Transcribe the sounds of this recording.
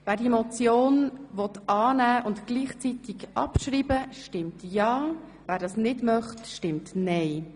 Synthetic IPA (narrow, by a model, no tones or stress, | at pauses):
ʋæːɾdiemɔt͡sjoːnʋɔt̪ʔɑːnæːʔʊntɡ̥liːχt͡sit̪iɡʔɑ̰pʃriːbəʃtɪmtjɑː | væːɾdɑːsnɪdmœχtʃtɪmtnɛɪ